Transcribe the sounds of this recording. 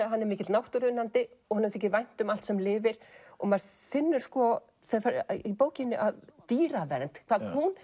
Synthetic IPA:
aɦanːɛɾmɪːcɪt̪nawht̪ʏɾʏnːant̪ɪɔɣhanːɛɾθɛhcɪvajn̥t̪ʏmal̥t̪sɛmlɪːvɪɾ̥ɔɣmaɾ̥fɪnːʏɾ̥skɔ | θaðfaɾipoːwcɪnːɪʔaðt̪iːɾavɛɾn̥t̪kʰvalt̪hun

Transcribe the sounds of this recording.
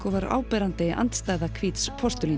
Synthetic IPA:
kɔvaɾa̰ːwpɛɾant̪ɪʔa̰nt̪st̪aːjðakʰviːt̪spʰɔr̥st̪ʏli

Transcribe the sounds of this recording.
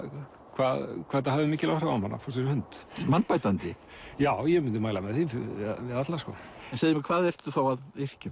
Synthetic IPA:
kʰvaðkʰvaːt̪ahavðɪmɪːcɪlawhɾaamhanːa̰fɔ̥sɛɾɪhʏnt̪manpajt̪ant̪ɪ | jaːwjɛmɪnt̪ɪmaːjlamɛðθiɪ̰ðvɪðat̪laskɔɛnseːjðɪmɪkʰvaːðɛr̥t̪ʏ̥θawaðɪr̥cʏm

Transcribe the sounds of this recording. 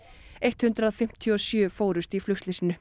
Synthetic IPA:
ejht̪hʏnt̪ɾaðfɪm̥t̪ʰjɔsjœːfoːwɾʏst̪iflʏxst̪lɪsɪnʏ

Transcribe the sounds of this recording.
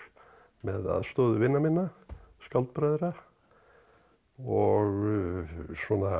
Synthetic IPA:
mɛða̰ðst̪ɔːðʏvɪnːamɪnːaskalt̪̚pɾaːjðɾa | ɔɣ | swɔna

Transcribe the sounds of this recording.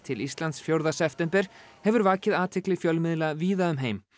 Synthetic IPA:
t̪ʰɪlist̪lant̪sfjowɾðasɛft̪ɛmpɛɾ̥hɛvʏɾvaːcɪðaːt̪ʰɪklɪfjœlmɪðlaviːðaʏmɦeːjm

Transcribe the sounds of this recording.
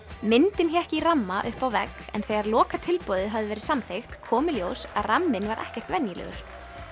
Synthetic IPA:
mɪnt̪ɪnçɛɛhcɪiramːaʔʏhpawvɛkɛ̰nθɛːɣaɾlɔːkat̪ʰɪlpɔːðɪɦavðɪvɛːɾɪsamθejxt̪kʰɔːmɪljoːwsaðramːɪnvaɾʔɛ̰hcɛr̥t̪vɛnjɪlɛ̰ɣʏ̰ɾ̥

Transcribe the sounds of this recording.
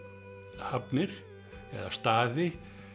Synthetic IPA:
hapnɪɾ̥ | ɛ̰ða̰st̪aːðɪ

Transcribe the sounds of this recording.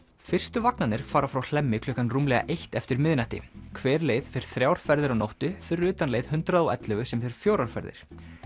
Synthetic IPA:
fɪr̥st̪ʏvaknanɪɾ̥faːɾafɾawl̥ɛmːɪkʰlʏːkanruːmlɛɣa̰ʔejht̪ɛft̪ɪɾmɪðnaht̪ɪ̰kʰvɛːɾlejðfɪɾɪ̥ɾ̥θɾjaːwɾ̥fɛɾðɪɾawnowht̪ʏfɪɾɾʏːt̪anlejðhʏnt̪ɾaðawɛ̰t̪lœɣʏsɛmfɪɾɪ̥ɾ̥fjowɾawɾ̥fɛ̰ɾðɪ̰ɾ̥

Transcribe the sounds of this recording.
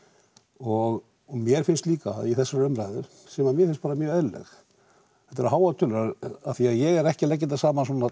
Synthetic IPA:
ɔɣ | mjɛɾ̥fɪnst̪liːkaiθɛsːaɾœmɾaːjðʏɾ̥ | sɛmaðmjɛɾfɪnst̪paːɾamjœːɛlːɛ̰x | θɛht̪ːaɾaɦaːwat̪ʰʏːlʏɾaðaðθiaðjɛɣɛɾɛhcɪlɛc̬ːɪnt̪̬asaːmasɔːna

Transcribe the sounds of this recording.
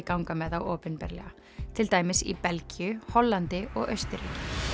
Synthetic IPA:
kawŋkamɛðawɔːpʏnpɛ̰ɾlɛ̰ɣa | t̪ʰɪlt̪aːjmɪsḭpɛlcijʏhɔlːant̪ɪʔɔɣœɥst̪ʏɾḭːcɪ̥

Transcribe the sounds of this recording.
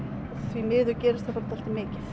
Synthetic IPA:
θvimɪːðʏɾcɛːɾɪst̪ʰafaɾt̪ʰal̥t̪ɪmɪːcɪθ

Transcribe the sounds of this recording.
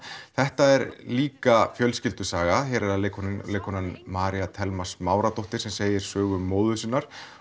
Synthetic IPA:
θɛht̪aɛɾliːkafjœlscɪlt̪ʏsaːɣaçɛɾɛɾalkʰlekʰɔnanmaːɾiat̪ʰɛlmḁsmaːwɾat̪oht̪ɪ̥sɛmseːjɪɾ̥sœːɣʏmːoːwðʏsɪnːaɾ̥

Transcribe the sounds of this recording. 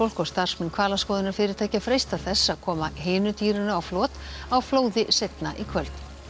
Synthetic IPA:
owl̥kɔst̪ar̥smɪnkʰvaːlaskɔːðɪnʏɾ̥fɪːɾɪɾt̪ʰaːjcafɾejst̪aθɛsːaðkʰɔːmaɦeːnʏt̪iːɾɪnʏawflɔːt̪awfloːwðɪsejt̪naʔikʰvœlt̪

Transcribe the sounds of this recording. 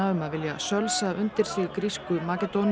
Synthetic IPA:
aʏmavɪlja̰sœlsaʔʏnt̪ɪɾ̥siːɣkɾiskʏmakɛt̪on

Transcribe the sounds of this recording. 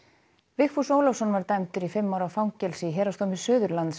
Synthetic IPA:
vɪxfusowlɔfsɔnvaɾt̪ajmt̪ʏɾifɪmːawɾafawŋcɛlsɪɦɛːɾast̪omɪsœːðʏɾlant̪s

